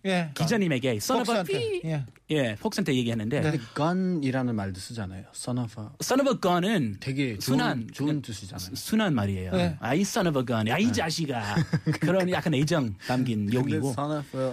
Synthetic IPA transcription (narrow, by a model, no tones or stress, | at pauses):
jekid͡ʑʌɲime̞ɡe̞s͈ʌnʌʌ | je̞fʰok̚s͈ʌntʰeje̞ɡiɦenɯnde̞dekʌniɾanɯnmaɭdɯs͈ɯd͡ʑana̰jos͈ʌnʌbʰʌs͈ʌnʌbʰʌkʌnɯnteɡesʰunɦanontuɕʰid͡ʑasʰunanmaɾiḛjoais͈ʌnʌbʌɡʌnaid͡ʑaɕʰiɡakɯɾʌnjak͈aned͡ʑʌŋtamɡinjoɡiɡon